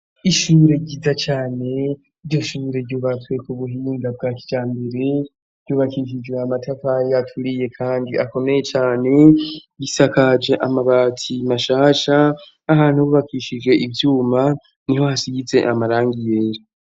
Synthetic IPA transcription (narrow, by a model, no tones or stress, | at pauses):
iʃuɾe̞ɟizat͡ʃaːne̞ | iɾjo̞ʃuːɾe̞ɾɟuːβatwekuβuɦiːŋɡab̚ɡaːki̥d͡ʒaːmbe̞ɾe̞ | ɾɟjuβakiʃ̬id͡ʒweamatʰafajatʰuɾije̞kʰaːndiʔako̞me̞je̞t͡ʃaːne̞jisakad͡ʒe̞ʔamaβaːtʰimaʃaːʃaː | haːn̥huβuβakiʃid͡ʒɡwe̞ʔivjuːma | niho̞hasiɡize̞̰ʔamaɾaːŋɡije̞ɾo